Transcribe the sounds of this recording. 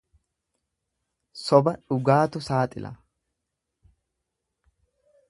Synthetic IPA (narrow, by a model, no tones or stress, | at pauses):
sɔbɐᶑʊɡaːt̪ʊsaːt̪ʼɪ̰lʔɐ̰